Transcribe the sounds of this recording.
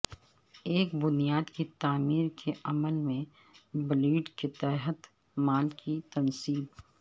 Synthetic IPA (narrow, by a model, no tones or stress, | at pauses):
eːkbʊnijaːd̪kit̪aːmiːɾkʰeʔɐməlmẽ | bliːɖket̪ɛːɦət̪ | maːlkit̪ɐnsiːb